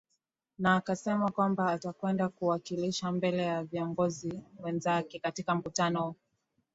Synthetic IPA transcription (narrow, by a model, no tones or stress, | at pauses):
naːkasɛmakwambaːtakwɛndakuwakiliʃambɛlɛjaviɔŋɡɔziwɛnzakɛkatikam̩kutanɔu